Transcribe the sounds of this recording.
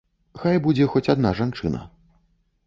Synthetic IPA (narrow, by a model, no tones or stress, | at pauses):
xajbud͡zʲɛxɔt͡sʲad̪naʐant͡ʂɨnɐ̰